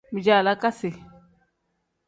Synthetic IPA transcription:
mi˨d͡ʒa˨la˦ka˦sɪ˨

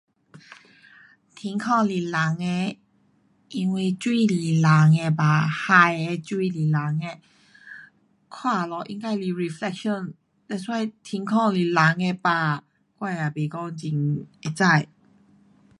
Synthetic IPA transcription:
t̪ʰi˧˦ŋkʰɔ̃˥˧ŋli˨˩la˨˦ŋe˧ | ʔi˧ŋwi˧˨t͡ɕwi˥˧˩li˨˩la˨˦ŋe˧ba˨˩ha˧je˧t͡ɕwi˥˧li˨˩la˨˦ŋe˧ | kʰwa˥˧˨lɔ˨˩ʔḭ˧ŋka˧jli˧˩ɹi˨˧flɛ˧k̚ʃɔ˥˧˨n | t̪ɛ˧˥swa˥˧jt̪ʰi˧˦ŋkʰɔ˥˧˨li˨˩la˨˦ŋe˧ba˨˩ | kwa˥˧˨ja˨˩bi˨˩kɔ˥˧ŋt͡ɕi˨˧˦ŋe˧˩t͡sa˥˧˨j

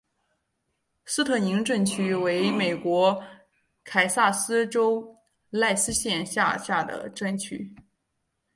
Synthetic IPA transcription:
sɹ̩˥t̪ʰɤ˥˩ni˧˥ŋʈ͡ʂə˥˩nt͡ɕʰy˥we˧˥ɪme˨˩ɪkwɔ˧˥ | kʰa˨˩ɪsa˥˩sɹ̩˥ʈ͡ʂo˥ʊ | la˥˩ɪsɹ̩˥ɕjɛ˥˧nɕja̰˥˧ɕja˥˩d̪ə̰˩ʈ͡ʂə˥nt͡ɕʰy̰˥˩

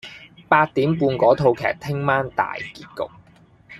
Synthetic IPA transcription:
paː˧t̚t̪iː˨˥mpuː˧nkɔː˨˥t̪ʰo˧wkʰɛ̰ː˨k̚t̪ʰɪ˥ŋmaː˥nt̪a̰ː˨˩jkiː˧t̚kʊ̰˨k̚

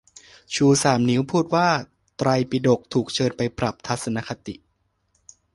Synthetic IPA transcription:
t͡ɕʰuː˧saː˩˦mni˦˥wpʰuː˥˩t̪̚waː˥˩ | t̪ɾa˧jpi˨˧˩do˨˩k̚t̪ʰuː˨˩k̚t͡ɕʰɤː˧npa˧jpɾa˨˩p̚t̪ʰa˦˥t̪̚sa˧na˦˥kʰa˧t̪i˨˩ʔ

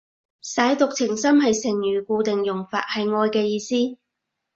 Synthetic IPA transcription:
sɐː˨˥jt̪ʊ˨k̚t͡sʰɪ˨˩ŋsɐ˥mhɐ˨jsɪ˨˩ŋjyː˨˩kuː˧t̪ɪ˨ŋjʊ˨˩ŋfaː˨t̚hɐ˨jŋɔː˧jkɛː˧jiː˧siː˥

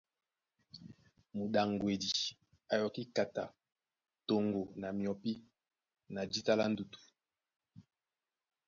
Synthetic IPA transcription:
mu˨ɗa˨ŋɡwe˨di˨ | a˨jɔ˨ki˦ka˨ta̰˨ | to˨ŋɡo˨na˨mjɔ˨pi˦ | na˨d͡ʒi˦ta˦la˦n˦du˨tu̥˨

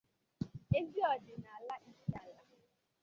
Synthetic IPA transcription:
e˦d͡ʒi˦ɔ˨dɪ˨na˨a˨la˦ʔi˦si˦a˨la˦

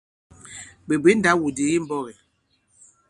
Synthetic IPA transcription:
be˨be˨˦n̩˦da˦wu˨de˨ɣi˦m̩˦bɔ˦ɣɛ˨

